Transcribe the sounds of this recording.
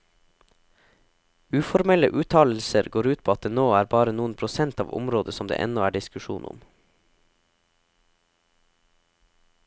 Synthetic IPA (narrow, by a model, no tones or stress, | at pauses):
ʉːfɔɾmɛləʔʉːt̪ʰɑːll̩səɾɡoːɾʉːt̪̚pʰoːɑt̪̚d̪eːnoːæːɾbɑːɾənuːən̩pʰɾʊsɛnt̪ɑ̰ːʋʊ̰mɾoːd̪əsɔmd̪ḛːʔɛ̰nɔæːɖɪskʉʃṵːnʊ̰m